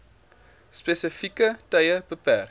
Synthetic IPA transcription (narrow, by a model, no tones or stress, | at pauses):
spesəfikətɐjəb̥əpær